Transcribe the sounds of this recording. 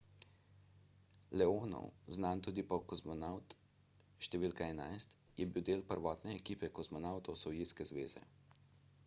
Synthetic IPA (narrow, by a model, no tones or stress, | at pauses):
lɛoːnɔ̰wznant̪uːd̪ipɔkɔsmɔnawt̪ | ʃt̪ɛʋiːlkaɛna̰jst̪ | jɛbiwd̪eːlpəɾʋɔːt̪nɛːkiːpɛkɔzmɔnawt̪ɔwsɔwjeːt̪skɛzʋḛːzɛ̰